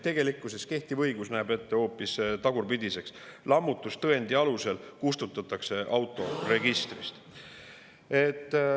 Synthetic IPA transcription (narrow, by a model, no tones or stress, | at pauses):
t̪e̞ɡ̥e̞likːˑuseske̞ht̪ivɤ̞jɡ̥usnæːbe̞t̪ːeho̞ːpːˑist̪ɑɡ̥urpid̪ʲise̞kslɑmːut̪ːˑust̪ɤend̪iɑluse̞lkust̪ut̪ːˑɑt̪ːˑɑkse̞ʔɑwt̪ːˑo̞re̞ɡist̪rist̪ | e̞t̪ːˑ